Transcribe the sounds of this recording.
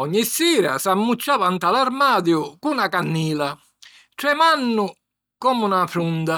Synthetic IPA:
ɔɲːisːiːɾa̰samːut͡ʃːaːvant̪alaɾmaːd̪jʊkunakanːiːla | ʈɾɛmanːʊ | kɔːmunafɾund̪a

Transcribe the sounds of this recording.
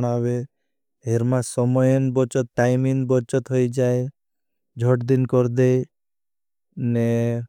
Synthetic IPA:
ɽ̃aβe | ɦeɾmasɔmɔjɔnbɔt͡ʃɔt̪̚ʈajminbɔt͡ʃɔt̪ɦojd͡ʒae | d͡ʒʱɔʈd̪inkɔɾd̪e | ne

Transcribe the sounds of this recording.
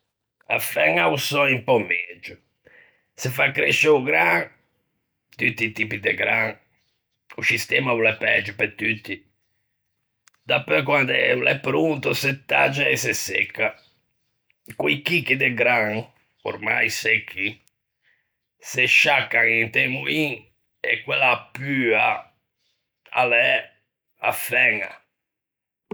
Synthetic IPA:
a̰fɛŋausɔimpɔmɛd͡ʒʊ | sefakːɾeʃɛuɡɾaŋ | t̪yt̪ːit̪ipid̪eɡɾaŋ | usist̪ɛmavulɛpɛd͡ʒːupɛt̪ːyt̪ːi | d̪apøkwand̪ɛvulɛpːɾunt̪uset̪ːa̰d͡ʒːaɛsesɛ̰kːa | kuikikːid̪eɡɾaŋ | o̰ɾma̰jsɛkʰːi | seʃːakːaŋint̪ɛmuiŋ | ḛkːwelapːya | a̰lɛ | a̰fɛŋa̰

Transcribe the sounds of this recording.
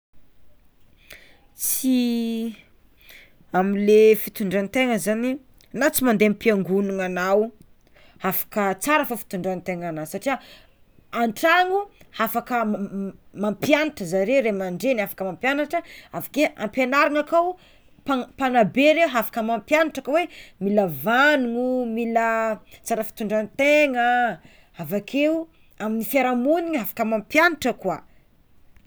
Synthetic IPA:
t͡si | amilefit̪uɳɖ͡ʐanit̪eŋəzani | nat͡simand̪empiaŋɡunuŋanaw | hafḁkət͡saɾafafi̥t̪uɳɖ͡ʐanit̪eŋanasaʈ͡ʂia | aɳʈ͡ʂaŋuhafakə | mampjaniʈ͡ʂəzaɾewɾemaɳɖ͡ʐenafḁkəmampjanaʈ͡ʂəavḁkeʔampenaɾaŋakaw | papanabeɾewɦafḁkəmampjanaʈ͡ʂakəwemiləvanuŋumilət͡saɾəfi̥t̪uɳɖ͡ʐanit̪eŋə | avakʰew | aminifaɾamuniɲɦafḁkəmampjanaʈ͡ʂəkua

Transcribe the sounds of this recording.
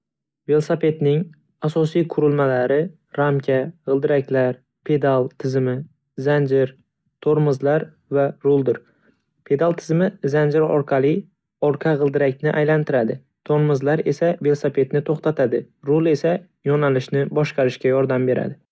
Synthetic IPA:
ve̞lˠsape̞t̪nɪŋ | asɒsijqʰʊɾɪlmalaɾɪ | ɾamkʲʰaʁɨlˠd̪ɪɾakʲlaɾ | pʰe̞d̪alˠt̪ʰɪzɪmɪ | zand͡ʒɪɾ | t̪ʰoɾmɨzlaɾ | vaɾʊlˠd̪ɪɾ | pʰe̞d̪alˠt̪ʰɪzmɪzand͡ʒɪɾɒ̰ɾqʰɑlˠɪj | ɒɾqʰɑʁɨlˠd̪ɪɾakʲnɪʔajlant̪ʰɪɾad̪ɪ | t̪ʰoɾmɨzlaɾe̞save̞lˠsape̞t̪nɪt̪ʰoχt̪ʰat̪ʰad̪ɪ | ɾʊlˠe̞sa | jɒnalɪʃnɪbɒʃqɑɾɪʃkʲajɒɾd̪ambe̞ɾa̰d̪ɪ

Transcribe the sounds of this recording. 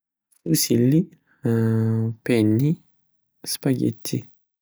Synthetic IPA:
usilːi | pɛnːi | spaɡḛt̪ʰːi

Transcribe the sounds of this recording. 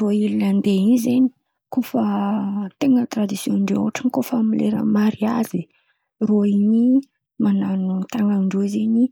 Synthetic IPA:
roilinənd̪einizeni̥ | kofət̪eŋət̪ɾad̪isjonɳɖ͡ʐo̰aʈ͡ʂənikofamilḛɾə̰maɾiazi | roiɲi | mananut̪aŋaɳɖ͡ʐuzeɲi

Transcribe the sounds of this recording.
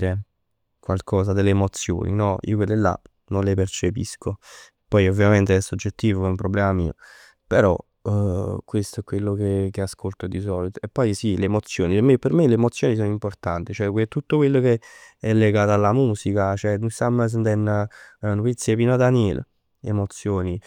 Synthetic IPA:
ɾe | kwalkʰɔːs̬ad̪elːeːmot̪sːjo̰ːnḭnɔḭoked̪elːa̰ | nonlepert͡ʃepḭsko | pːɔjovːjament̪eɛsːod͡ʒːet̪ːiːvoɛumpɾoblɛːmamiːo̰ | peɾɔ̰ | kwest̪oɛkːwelːokek̟easkʰolt̪od̪isɔlit̪oepːɔjsileːmot̪sːjoːniemepermeleːmot̪sːjoːnis̬oːnoimport̪ant̪it͡ʃoɛkwet̪ːut̪ːokwelːokeɛlːeɡaːt̪oalːamuːsikat͡ʃoɛnusamːəs̬nd̪ɛnːnopit̪sːjepiːnoad̪anjɛl̰ | ḛmot̪sːjoːni

